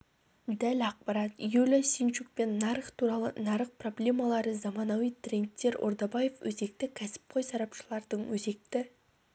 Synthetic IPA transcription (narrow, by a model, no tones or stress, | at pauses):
d̪ælɑq̚pɑɾɑt̪ijɵlɪsint͡ʃuk̚pe̞nːɑɾəχt̪ʰuɾɑlˠə̰nɑɾəχ̚pro̞blʲe̞mɑlˠɑɾəzɑmɑnɑwijt̪rʲent̪ːe̞ɾo̰ɾd̪ɑbɑje̞fwɵze̞k̚t̪ɪkʲʰæsɪ̥p̚qʰojsɑɾɑpʃəlˠɑɾd̪əɴwɵze̞k̚t̪ɪ